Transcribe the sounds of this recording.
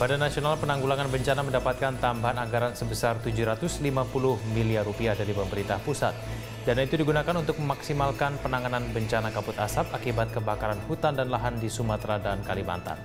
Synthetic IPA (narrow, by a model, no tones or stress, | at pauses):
badanːasionalpənaŋɡulaŋanbəɲt͡ʃanaməndapat̪̚kant̪ambaɦanaŋɡaɾansəbəsart̪ud͡ʒuhɾat̪ʊslimapulʊhmiliarupiahdaɾipəməɾint̪ahpusa̰t̪̚ | danait̪udiɡunakanunt̪ʊk̚məmaksimalkanpənaŋananbəɲt͡ʃanakaput̪asap̚akibat̪̚kəbakaɾanhut̪andanlaɦandisumat̪ɾadankalima̰nt̪a̰n